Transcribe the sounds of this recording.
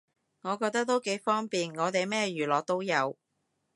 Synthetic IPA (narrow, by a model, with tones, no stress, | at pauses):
ŋɔː˨˧kɔː˧k̚t̪ɐ˥k̚t̪o˥wke˨˥jfɔː˥ŋpiː˨nŋɔː˨˧t̪e˨jmɛː˥ɥyː˨˩lɔː˨k̚t̪o˥wjɐ˨˧w